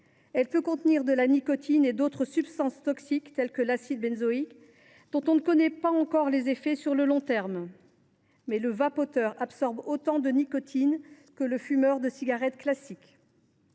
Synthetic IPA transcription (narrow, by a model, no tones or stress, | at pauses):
ɛlpøkɔ̃t̪niʁd̪əlanikɔt̪ʰined̪ot̪χəsypst̪ɑ̃st̪ɔksikt̪ɛlkəlasid̪̚bɛnzɔik | d̪̥ɔ̃t̪ɔ̃nəkɔnɛpaɑ̃kɔʁlezefɛsyʁləlɔ̃t̪ɛʁm | mɛləvapot̪œʁabsɔʁbot̪ɑ̃d̪ənikɔt̪ʰin | kələfymœʁd̪əsiɡaʁɛt̪klasik